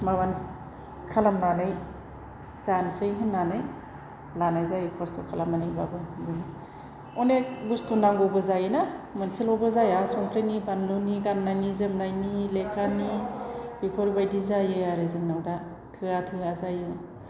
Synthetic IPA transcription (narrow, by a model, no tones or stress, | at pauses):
maβan | kʰalamnanɯj | zansɯjɦɯnːanɯj | lanajzajɯpʰastʰokʰalamanɯjbabɯduŋ | ɔneɡustunaŋɡɔwbɯzajɯnamɯnsilɔbɯzajasɔŋkʰɾɯjnibanluniɡanːajnizɯmnajnilekʰanib̥ipʰoɾbajdizajɯaɾezɯŋnawda | tʰɯatʰɯazajɯ